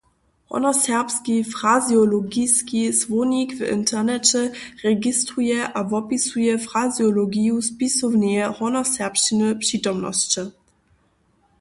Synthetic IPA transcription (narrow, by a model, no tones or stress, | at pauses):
hɔ̰nɐsɛʁpskifʁazjɔlɔɡiskisvonikvɪ̰ntʰɛʁnɛt͡ɕɛʁɛɡistʁujɛʔavɔpisujɛfʁazjɔlɔɡijuspisɔwnɛɛhɔnɐsɛʁpʃinəpʂitɔmnɔ̰st͡ɕə